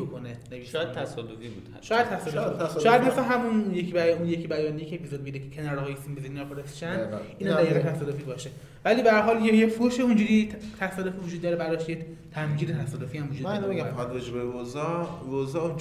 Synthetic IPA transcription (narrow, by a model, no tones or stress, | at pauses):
okoneneiʃjd̪t̪ʰæsɔd̪ofibud̪ʃɒːjæd̪̚t̪ʰæsɔːdoiʃɔːjæd̪mesæɦæmunjecʰibæunjekʰibæjɒːnijekʰeepizod̪beidɾekʰecʰenɒɾehɒːjesimbezininɒfoɾesiʃæniːnæd̪jiːɣet̪ʰæsɒːd̪ofibɒːʃe | væliːbæɾɦɒːljejefuʃeũnd͡ʒuːɾit̪ʰæsɒːd̪ofiːvud͡ʒud̪ːɒɾebæɾɔʃeje | t̪ʰæmɡiːd̪et̪ʰæsɒːd̪ofiæmvud͡ʒudmæninɒbeɡæmpʰɒjad̪ɾɔd͡ʒebevozɒvozɒun